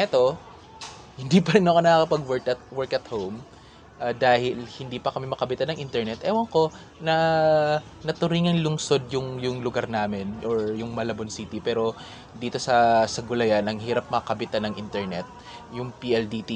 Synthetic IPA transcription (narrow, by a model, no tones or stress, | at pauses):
ʔɛt̪o̞ | hɪnd̪ipɐɾɪnɐʔkonɐkɐkɐpɐɡwɛɹkɐt̪̚wɛɹkɐt̪howm | ʔad̪aːhɪlhɪnd̪iːpɐkɐmɛmɐkɐbɪt̪anɐŋʔint̪ɛɹnɛt̪ʔɛwɐŋko̞ | nɐ | nɐt̪ʊɾiːŋɐŋlʊŋso̞d̪̚jʊŋjʊŋlʊɡaɾnaːmɪnʔoɹjʊŋmɐlɐbonsiːt̪ipɛːɾo̞ | d̪iːt̪o̞sɐsɐɡʊlɐjanɐŋhiːɾɐp̚mɐkɐbɪt̪anɐŋʔint̪ɛɹnɛt̪̚ | jʊŋpiʔɛld̪it̪i